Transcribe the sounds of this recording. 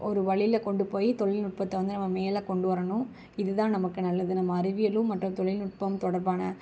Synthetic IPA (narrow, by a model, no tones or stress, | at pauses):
ʔɔɾɯʋɐɭɪjlɐkɔɳɖɯpoːjit̪ɔɭɪlnʊʈ̚pɐt̪ːɐʋɐnd̪ɯnɐmːɐmeːlɐkɔɳɖɯʋɐɾɐnʊ̃ | ɪðɯðãːnɐmɐkːɯnɐlːɐðɯnɐmːɐːɾɪʋɪjɐlɯmɐʈrɯ̃mt̪ɔɭɪlnʊʈ̚pɐmt̪ɔɽɐɾbaːnɐ